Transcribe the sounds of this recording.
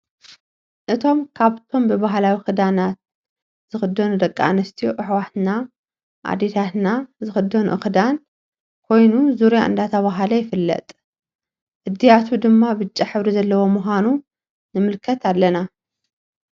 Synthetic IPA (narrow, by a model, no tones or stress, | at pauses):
ʔɨt̪ʰo̞mkʰaβt̪ʰo̞mbɨβaɦlawixɨd̪anat̪̚ | z̥ɨxɨd̪ːɐnud̪ɐkʼːaʔanɐst̪ʰijoʔɨħwat̪na | ʔa̰d̪et̪ʰat̪nazɨxɨd̪ːɐnuʔɨxɨd̪an | kʰo̞jnuzuɾjaʔɨ̰nd̪at̪ʰɐβaɦalɐjɪfɨlːɐ̰t̪ʼ | ʔɨd̪ːijat̪ʰud̪ɨmːabɨt͡ʃʼːiħɨβɾizɐlːɐwo̞muxʷanu | nɨmɨlkʰɐt̪ʰalːɐna